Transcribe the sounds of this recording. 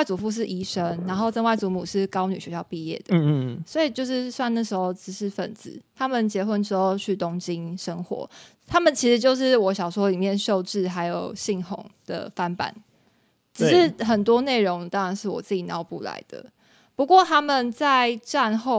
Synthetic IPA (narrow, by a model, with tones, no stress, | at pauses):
wa˥˩ɪt͡su˨˩fu˥˧ʂ̬ɻ̩˥˩ʔi˧˥ʂə˦˥nna˧˥nxo˥˧ʊʈ͡ʂə˥˧nwa˥˩ɪt͡su˧˥mu˨˩ʂɻ̩˥˩kɑ˥ʊny˨˩ɥɛ˧˦ɕjɑ˥˧ʊpi˥˧jɛ̰˥˩d̪̥əswɔ˧˥i˨˩t͡ɕjo˥˧ʊʂɻ̩˥˧swa˥˧na˥˩ʂɻ̩˧˥xo˥˧ʊt͡sɻ̩˧˥ʂɻ̩˥˩fə˨˩nt͡s̩˧˦t̪ʰa˥mə˨nt͡ɕjɛ˧˥xwə˥˧nʈ͡ʂɻ̩˥xo˥˧ʊt͡ɕʰy˥˩t̪o˥ŋt͡ɕi˦nʂə˥ŋxwɔ̰˨˧˦ | t̪ʰa˥mə˨nt͡ɕʰi˧˥ʂɻ̩˧˥t͡ɕjo˥˧ʊʂ̬ɻ̩˥˩wɔ˧˥ɕjɑ˨˩ʊʂwɔ˦˥li˨˩mjɛ˥˧nɕjo˥˧ʊʈ͡ʂɻ̩˥˩ɦa˧˥ɪjo˨˩ʊɕi˥˩ŋho̰˨˩˦ŋd̪̥ə̰˨fa˦npa̰˨˩˦n | ʈ͡ʂɻ̩˨˩ʂɻ̩˥˩xə˨˩nt̪wɔ˥ne˥˩ɪɻo˧˦˥ŋt̪ɑ˥ŋɻa˧˦nʂɻ̩˥˩wɔ˨˩t͡sɹ̩ɨ˥˩t͡ɕi˨˩nɑ˧˥ʊpṵ˥˩la̰˧˦ɪd̪̥ə̰˨ | pu˧˥kwɔ˥˨t̪ʰa˦˥mə˨nt͡sa˥˧ɪʈ͡ʂa˥˧nxo˥˨ʊ